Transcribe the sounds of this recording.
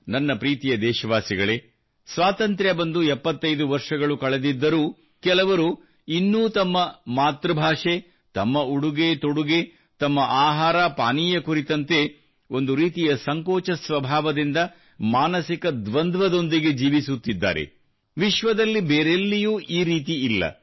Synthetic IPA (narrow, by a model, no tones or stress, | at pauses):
nɐnːɐpɾiːt̪ijɐd̪ɛːʃɐʋaːsiɡɐɭe | sʋaːt̪ɐnt̪ɾjɐbɐnd̪uɛpːɐt̪ːɐjd̪uʋɐɾʂɐɡɐɭukɐɭed̪id̪ːɐɾuː | kɛlɐʋɐɾu | inːuːt̪ɐmːɐmaːt̪ɾɐbʱaːʂe | t̪ɐmːɐuɽuɡe̞t̪oɽuɡe̞ | t̪ɐmːɐʔaːɦaːɾapaːniːjɐkuɾit̪ɐnt̪e̞ | o̞nd̪uɾiːt̪ijɐsɐŋkɔːt͡ʃɐsʋɐbʱaːʋɐd̪ind̪ɐ | maːnɐsikɐd̪ʋɐnd̪ʋɐd̪o̞nd̪iɡe̞d͡ʒiːʋisut̪ːid̪ːa̰ːɾe̞̰ | ʋiʃʋɐd̪ɐlːibeːɾelːijuːʔiːɾiːt̪̬iilːɐ̰